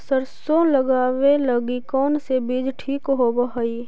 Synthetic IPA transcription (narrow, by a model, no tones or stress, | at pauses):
səɾsõləɡaːʋeləɡikɔːnsebiːd͡ʒʈʰiːkɦoːbəɦəiː